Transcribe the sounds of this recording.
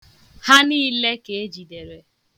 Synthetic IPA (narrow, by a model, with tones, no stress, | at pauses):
ha˦ni˦le˦ke˨e˦d͡ʒi˨de˨ɾe˨